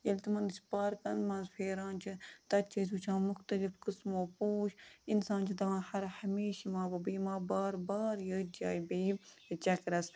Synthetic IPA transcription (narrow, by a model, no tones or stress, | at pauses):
jɐlt̪imɐnspaːɾkɐnmɐnzfʰeːɾaːnt͡ʃʰit̪ɐt̪t͡ʃʰɐsuːt͡ʃʰãːmʊxt̪ɐlifkɨsmoːpoːʃinsãːnt͡ʃʰit̪ɐʋãːhɐɾhɐmeːʃimãːbɐbɨːmãːbaːɾbaːɾjəd͡ʒaːjbɐj | t͡ʃɐkɾɐs